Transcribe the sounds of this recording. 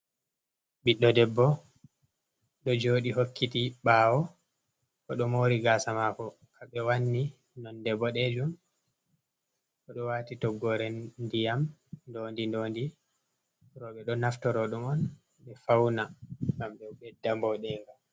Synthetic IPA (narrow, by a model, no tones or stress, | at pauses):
biɗːɔdɛbːɔ | ɗɔd͡ʒoːɗiɦokːitiɓaːwɔ | kɔɗɔmoːɾiɡaːsamakɔ | kʰaɓɛwanːi | nɔndɛbːɔɗɛd͡ʒum | kɔɗɔwaːtitɔɡːɔɾɛndijamndondindoːndi | ɾɔɓɛɗɔnaftɔɾɔɗumɔn | ɓɛfawnaɡamɗɛwɓɛdːambɔɗɛŋɡa